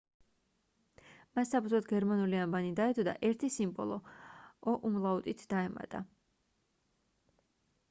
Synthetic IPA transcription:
massapʰuzɔt̪ɡɛɾmanuliambanid̪aɛd̪ʼɔd̪a̰ʔɛɾt̪ʰisimbɔ̰lˠɔɔʔumlˠaut̪ʼit̪ʰd̪̥aɛma̰t̪ʼa̰

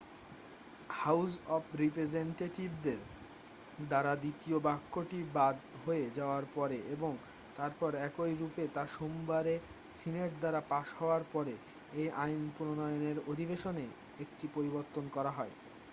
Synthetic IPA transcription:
hawsɔpʰɾipɾed͡ʑeɳʈeʈibd̪eɾ | d̪aɾad̪it̪iobakːoʈibad̪ɦoed͡ʑaoaɾpɔɾeʔeboŋ | t̪aɾpɔɾɛkojɾupet̪aʃombaɾe | sineʈ̚d̪aɾapaʃhɔoaɾpɔɾe | ejʔajnpuɾonɔjoneɾod̪ʱibeʃone | ekʈipoɾiboɾt̪ːonkɔɾaɦɔe

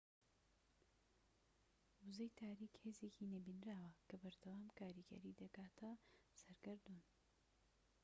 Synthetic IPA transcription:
wuzɐjt̪ʰaːɾiːkheːzeːcinɐbinɾaːwɐkʰɐbɐɾd̪ɐwaːmkaːɾiɡɐ̰ɾiːd̪ɐkaːt̪ʰɐsɐɾɡɨɾd̪un

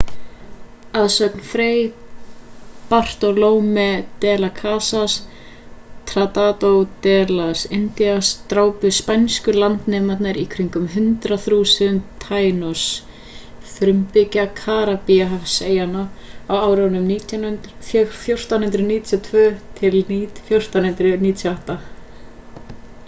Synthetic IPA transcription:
aðsœknfɾeːj | par̥t̪ɔloːwmɛt̪ɛːlakʰaːsas | t̪ʰɾat̪at̪owt̪ɛːlasɛnt̪iast̪ɾaːwpʏspajnskʏlant̪nɛːmat̪naɾikʰɾiŋkʏmɦʏnt̪ɾaθɾuːsʏnt̪ʰaːjnɔs | fɾʏmpɪcakʰaːɾapiaɦafseːjanaawaːwɾawnʏmniːt̪ʰjannɾfjfjowr̥t̪anhʏnt̪ɾʏniːt̪ʰjɔt̪ʰvœːt̪ʰɪlifjowr̥t̪anhʏnt̪ɾʏniːt̪ʰjɔaht̪a

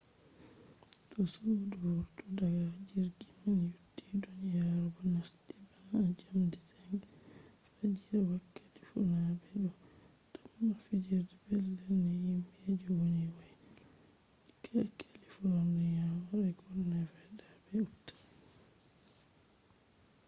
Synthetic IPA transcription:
tɔsuduwɔɾtɔdaɡad͡ʒiɾɡimanjudːidunjaɾbɔnasdibaŋad͡ʒamditaŋ | fad͡ʒiɾwakːati̥funabɛdɔ | damːafid͡ʒiɾdɛbɛlːɛnɛjimbied͡ʒɔwoniwɔj | ikʰakʰalifɔɾnijawaɾɛɡɔnːafɛjdabɛutːḁ

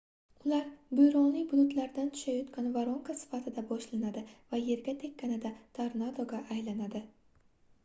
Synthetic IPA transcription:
ʊlaɾbʊjɾɒnijbʊd̪ʊt̪laɾd̪ant̪ʰʊ̥ʃajɒt̪kʲʰanvaɾoŋkasɪ̥fat̪ʰɪd̪abɒʃlanad̪ɪvaje̞ɾɡʲat̪ʰe̞kʲːanɪd̪at̪ʰaɾnad̪oɡʲaʔːjlanad̪ɪ

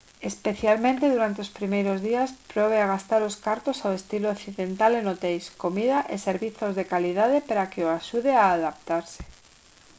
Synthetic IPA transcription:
espeθjalmẽnt̪eðuɾant̪eospɾimejɾozðiaspɾoβ̞eaɣ̞ast̪aɾoskaɾt̪osawest̪ilooθiðent̪alenot̪ejskomið̞aʔeseɾβiθozðekaliðað̞epeɾakeoaʃuðeaːðap̚t̪aɾse̥

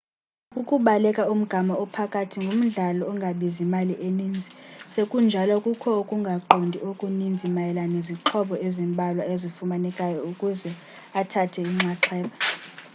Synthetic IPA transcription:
ukʼuɓalɛkʼaum̩ɡ̥ʱamaɔpʰakʼatʰiŋɡʱom̩ɮalɔːŋɡʱaɓizimaliʔenind͡zʱisekʼund͡ʒʱalɔkʼukʰɔokʼuŋɡʱaǃʱondʱiokʼunind͡zʱimajɛlaneziǁʰɔɓɔʔezimbʱalwaezifumanɛkʼajɔukʼuzɛ | atʰatʰɛiŋ͡ǁaǁʰɛːɓa

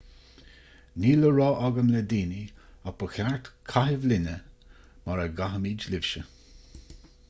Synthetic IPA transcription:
niːləɹɔːʔɔɡəmlɛd̪iːniapəxaɹt̪kʰaɦɪvlɪnə | maɹəɡaɦəmiːd͡ʒlɪvʃə

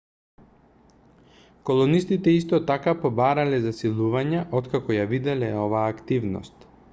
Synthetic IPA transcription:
kolˠɔnist̪it̪ɛist̪ɔt̪akapɔbaɾalɛzasilˠuvaɲaʔɔt̪kakɔjavid̪ɛlɛɔvaːkt̪ivnɔ̰st̪

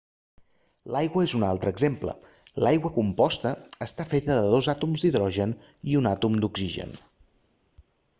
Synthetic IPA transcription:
lajɣwəezunalˠt̪ɾəːɡzemplə̰ | lajɣwəkumpɔst̪əːst̪afet̪əðəðozat̪umzd̪iðɾɔʒən | iunat̪umd̪uɡziʒə̰n

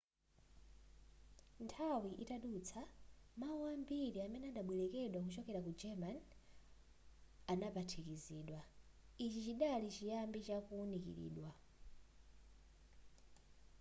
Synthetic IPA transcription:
ntʰawiʔitaɗut͡sʰamauwambiɾiamɛnɛaɗaɓwɛlɛkɛɗwak̬ut͡ʃɔkɛɾakud͡ʒɛman | anapatʰikiziːɗwa | it͡ʃit͡ʃiɗalit͡ʃijambit͡ʃakuunikḭɾḭːɗwa

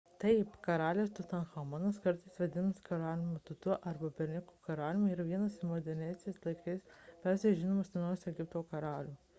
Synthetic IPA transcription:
t̪ɐɪpkɐɾɑːlʲeːst̪ʊt̪ɐnxɐmɑnɐskɐɾt̪ɐɪsʋʲɛd̪ʲɪnɐskɐɾɑːlʲɪmʊt̪ʊt̪ʊʔɐɾbɐpʲɛɾʲnʲɪkuːkɐɾɑːlʲɪmuiːɾɐʋʲiɛnɐsmod̪ʲɛɾʲnʲɛɪsʲɛɪslˠɐɪkɐɪspʲɛɾʲsʲeʒʲɪnoːmosʲɛnɐːjsɛɡʲɪp̚t̪oːkɐɾɑːlʲuː

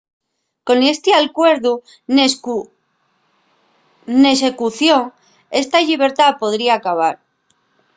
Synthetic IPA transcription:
ko̞nest̪ialkwe̞ɾðu | n | ne̞s̬ekuθjo̞ŋ | e̞st̪aʎiβe̞ɾt̪apo̞ðɾiaːkaβ̞aɾ

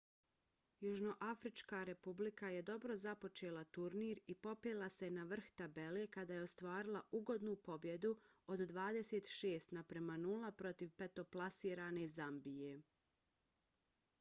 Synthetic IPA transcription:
juʒno̞ʔafɾit͡ʃkaɾe̞publikaje̞d̪o̞bɾo̞zapo̞t͡ʃe̞ːlˠat̪uɾniːɾipo̞peːlˠase̞naʋr̩xt̪abe̞le̞kad̪aːje̞ost̪ʋaːɾilˠaʔuɡo̞d̪nupo̞bje̞d̪uod̪d̪ʋaːd̪e̞set̪ʃeːst̪napɾemanuːlˠapɾo̞t̪iʋpet̪o̞plˠasiːɾaːne̞zambije

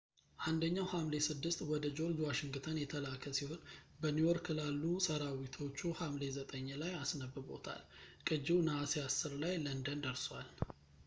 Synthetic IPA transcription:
ʔand̪əɲːawhamle̞sɨd̪ːɨst̪wɔd̪əd͡ʒo̞ld͡ʒwaʃɪŋɡɨt̪ʰənjɛt̪ʰəlakʰəsiho̞n | bənujoɾkʰɨlalːusəɾawit̪ʰo̞t͡ʃːuhamle̞zət̪ʼəɲːlajasnəbɨbo̞̰t̪ʰa̰lkʼɨd͡ʒːiwnaaseasːɨɾlajlənd̪ənd̪əɾswal

